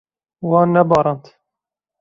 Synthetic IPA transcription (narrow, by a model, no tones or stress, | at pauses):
wɑːnːɛbɑːɾˤɑnt̪